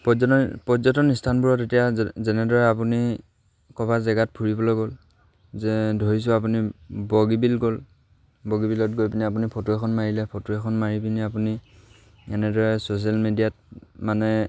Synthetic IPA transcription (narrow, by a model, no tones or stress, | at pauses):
pɔpɔzɔtɔnistʰanbuɹɔtetijazɛnɛdɔɹɛapuni | kɔbazɛɡat̚pʰuɹibɔlojɡol | zɛdʱoɹis̬ʊap̬unibɔɡibilɡol | bɔɡibilɔt̚ɡojpiniapunipʰɔtuɛkʰɔnmaɹilɛpʰotuɛkʰɔnmaɹipiniapuni | ɛnɛdɔɹɛsos̬ialmedijat̚manɛ